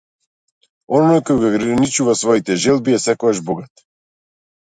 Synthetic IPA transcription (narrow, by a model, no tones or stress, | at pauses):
onojkojuɡaɡɾanit͡ʃuvasvoit̪ɛʒɛlˠbiasɛkoaʒboɡat̪